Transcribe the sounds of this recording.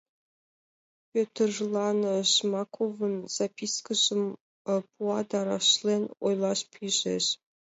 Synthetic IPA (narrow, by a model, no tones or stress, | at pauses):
pʲøt̪ʲɘ̆rʐlˠɑnɤ̆ʃmɑkʰovɤ̆nz̥ɑpʲiskəʒɤ̆m | pʰuɑd̪ɑɾɑ̰ʃlʲˠenʲojlˠɑʃpʲʰiʒḛ̆ɕ